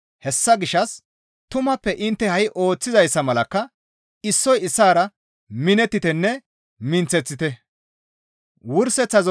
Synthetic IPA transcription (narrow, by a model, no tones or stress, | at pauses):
hɛsːɐɡɪʃːɐs | t̪ʊmɐpːɛʔɪnt̪ːɛhɐjʔo̞ːt͡sːɪzɐjsːɐmɐlɐkːɐ | ɪsːɔjɪsːaːɾɐ | mɪnɛt̪ːɪt̪ɛnːɛ | mɪnt͡sːɛt͡sːɪt̪ɛ | wʊɾsɛt͡sːɐz